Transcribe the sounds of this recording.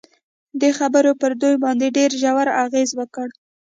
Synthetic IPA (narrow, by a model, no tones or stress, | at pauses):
d̪əxabəɾopəɾd̪ujbɑnd̪eɖeɾʒawaɾaɣezwəkəɽ